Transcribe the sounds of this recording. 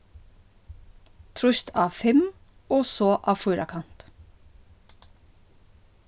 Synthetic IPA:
t̪ʰɾʊʃt̪ʰɑːfɛm | oːsoːʔɑːfuːɾɑ̰kʰɑnt̪

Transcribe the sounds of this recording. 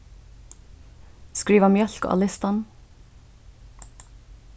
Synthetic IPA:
skɹiːʋɑmjœlko̰ʔɑ̰lɪst̪ɑn

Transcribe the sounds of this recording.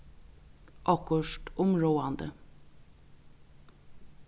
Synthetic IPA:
ʔɑkʊʂʈʊmɾoːɑnd̪ə

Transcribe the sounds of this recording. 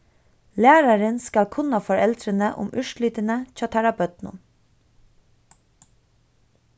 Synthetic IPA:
læːɾɑɾənskɑlkʰʊnɑfɔɹɛld̪ɾənəʔʊ̰mʉʃlɪːt̪ənəcʰɑːt̪ʰæɹɑpœt̪nʊ̰n

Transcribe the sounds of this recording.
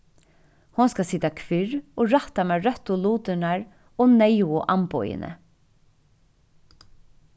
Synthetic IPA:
hʊnskasiːt̪akʰʋɪɹoːɹaht̪amɛːɾœt̪ːʊluːt̪ɪnaɹ | oːnɛjʊʔampɔjɪ̰nʔə̰

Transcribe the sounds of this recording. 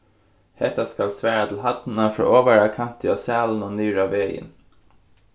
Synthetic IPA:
hɛt̪ɑskɑlsʋæːɾɑt̪ʰɪl̩ɦɑt̪n̩ɑfɾo̰ːʔoːʋæɾɑkʰɑnt̪ʰɪoːsæːln̩oːnyːɾɑʋeːjə̰n

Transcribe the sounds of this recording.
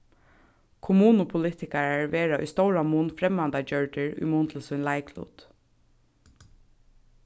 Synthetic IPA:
kʰʊmuːnʊpʰʊlɪːt̪ɪkaɹaɹʋeːɹaʔʊ̰jst̪owɹamuːnfɾɛmːand̪ad͡ʒœɹʈ̪ɪɹʊ̰jmuːnt̪ʰɪl̩sujnlaɪklṵːt̪

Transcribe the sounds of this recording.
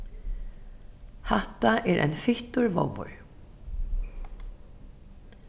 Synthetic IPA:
haht̪aʔɛɾʔɛ̰jnfɪht̪ʊɹvɔ̰wʊ̰ɹ

